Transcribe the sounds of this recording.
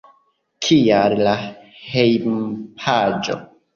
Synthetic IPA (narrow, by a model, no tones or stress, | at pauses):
kʰiallahejmpʰad͡ʒo̰